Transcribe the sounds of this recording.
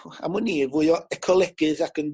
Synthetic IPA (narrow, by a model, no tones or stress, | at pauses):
a̰mʊniːvʊɨɔɛkʰɔlˠɛɡɨðakən